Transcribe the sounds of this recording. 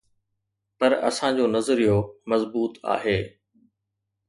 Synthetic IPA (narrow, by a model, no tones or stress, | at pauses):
pɐɾɐ̰sãd͡ʑoːnɐzɾijomɐzbuːt̪a̰ːɦeː